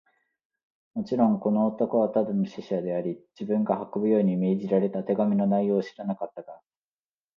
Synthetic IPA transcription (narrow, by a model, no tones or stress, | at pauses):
mo̞t͡ɕiɾõ̞ŋko̞no̞ːt̪o̞ko̞βat̪ad̪ɯnoɕiɕad̪e̞aɾʲid͡ʑibɯ̟̃ŋɡahakobɯ̟jo̞ːɲ̟ime̞ːʑiɾaɾe̞t̪at̪e̞ɡamʲino̞naijo̞ːɕi̥ɾanakat̪ːaɡ̪a